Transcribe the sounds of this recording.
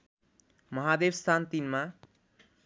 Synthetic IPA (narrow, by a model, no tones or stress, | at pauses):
mʌɦad̪ebst̪ʰant̪inma